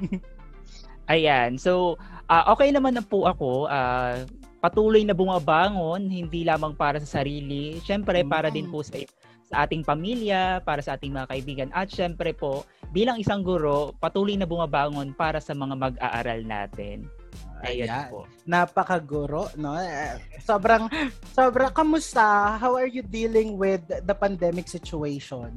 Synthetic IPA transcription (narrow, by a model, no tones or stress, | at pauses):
ʔɐjansow | ʔaːʔo̞ːkɛjnɐmanɐpʊʔɐko̞ʔaː | pɐt̪uːlojnɐbʊmɐbaːŋo̞nhɪnd̪ilaːmɐŋpaːɾɐsɐsɐɾiːlɪʃɛmpɾɛpaːɾɐd̪ɪnpʊsɐ | sɐʔaːt̪ɪŋpɐmiljɐpaːɾɐsɐʔaːt̪ɪŋmɐŋɐkɐʔɪbiːɡɐnʔɐt̪̚ʃɛmpɾɛpo̞ʔ | biːlɐŋʔɪsaŋɡʊɾo̞pɐt̪uːlojnɐbʊmɐbaːŋo̞npaːɾɐsɐmɐŋamɐɡ̚ʔa̰ːʔa̰ːɾɐlna̰ːt̪ɪ̰nʔɐjaapo | napɐkɐɡʊɾoʔnoɛsoːbɾɐŋ | soːbɾɐkɐmʊst̪ɐɦawɐɹjud̪ilɪŋwɪd̪̚ːɐpɐnd̪ɛmɪksɪt͡ʃʊejʃon